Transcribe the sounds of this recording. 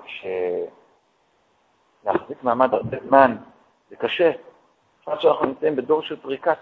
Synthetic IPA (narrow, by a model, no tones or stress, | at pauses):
kʃe | leaχzikmaːmadaʁbe̞zman | z̥ekaʃe | χmat̪ʃeanaχnunimt͡saimbedo̞ʁʃelpʁika